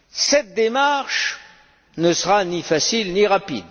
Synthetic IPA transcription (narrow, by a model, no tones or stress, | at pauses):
sɛt̪̚d̪emaʁʃ | nəsəʁanifasilniʁapḭd̪